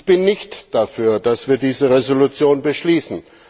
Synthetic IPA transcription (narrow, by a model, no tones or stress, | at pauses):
b̥ɪnːɪçtd̥afyːɐd̥asv̥iːɐdiːzəʁezolut͡sjoːnbəʃliːsn̩